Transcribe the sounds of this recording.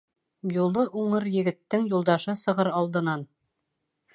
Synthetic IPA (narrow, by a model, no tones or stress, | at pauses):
julˠɤʔuɴɤɾjɘ̆ɡɘ̆t̪ːɘŋjulˠd̪ɑʃɤsɤ̆ʁɤɾɑlˠd̪ɤ̆nɑn